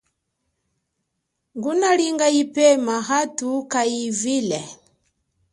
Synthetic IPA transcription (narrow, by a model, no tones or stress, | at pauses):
ŋɡunaliŋɡaipɛmaɦatukaivilɛ